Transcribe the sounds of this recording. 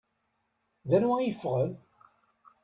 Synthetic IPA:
ðænwæjəfːʁəl

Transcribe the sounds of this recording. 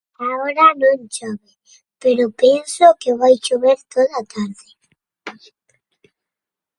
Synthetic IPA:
aoɾanõnt͡ʃoβe | peɾopensokeβajt͡ʃoβeɾt̪oðat̪aɾðɪ

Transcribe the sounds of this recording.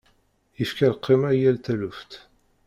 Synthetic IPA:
jəfkælqʰːimæjælt̪æluft̪

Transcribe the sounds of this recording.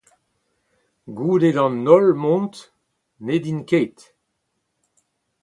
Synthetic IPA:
ɡuːdedɑ̃nːɔlmɔ̃nt̪ | ned̪inkeːt̪

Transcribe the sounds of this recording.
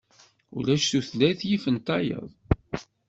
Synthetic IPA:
ṵlæʃθuθlæθjifənt̪ɑjə̰ðˤ

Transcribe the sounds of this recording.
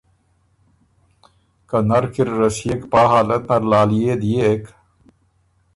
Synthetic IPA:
kɐnɐɾkiɾːɐsijekpaːɦaːlɐt̪nɐɾlaːlijeːd̪ijeːk

